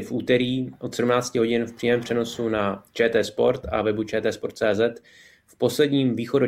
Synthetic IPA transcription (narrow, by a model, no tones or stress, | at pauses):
fʔuːt̪ɛɾiːʔo̞t̪sɛdumnaːt͡scɪɦoɟɪnfpr̥iːmɛːmpr̝̥ɛno̞sunat͡ʃɛːt̪ɛːspo̞̰ɾt̪a̰vɛbut͡ʃɛːt̪ɛːspo̞ɾt̪t͡sɛːzɛt̪ | fpo̞slɛdɲiːmviːxo̞do